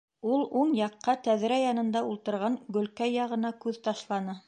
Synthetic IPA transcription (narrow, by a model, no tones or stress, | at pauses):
ulˠuɴjɑqːɑt̪æðɾæjɑnɤ̆nd̪ɑulˠt̪ɤ̆ɾʁɑŋɡɵ̆lkæjːɑʁɤ̆nɑkʉðt̪ɑʃlˠɑnɤ